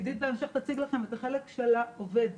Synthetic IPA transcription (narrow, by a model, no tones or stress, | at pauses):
d̪it̪̚laemʃeχt̪at͡siɡlaχe̞met̪aχe̞lekʃelaove̞d̪